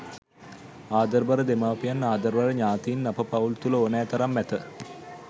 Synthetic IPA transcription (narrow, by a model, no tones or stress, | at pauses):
aːd̪əɾbaɾəd̪emaʋpijanːaːd̪əɾʋaɾəɲaːt̪iːnːapəpault̪uləonæːt̪ɐɾamːæt̪ə